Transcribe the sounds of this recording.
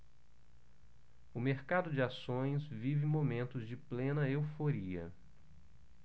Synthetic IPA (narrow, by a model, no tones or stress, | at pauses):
ʊmeɾkad̪ʊd͡ʒɪasõj̃svivɪ̃momẽnt̪ʊzd͡ʒɪplẽnɐewfoɾiɐ̰